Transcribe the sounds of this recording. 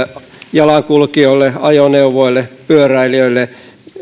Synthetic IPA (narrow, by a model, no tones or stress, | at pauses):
jɑlɑŋkulkioilːeɑjoneuʋoilːepyøræiliøilːˑe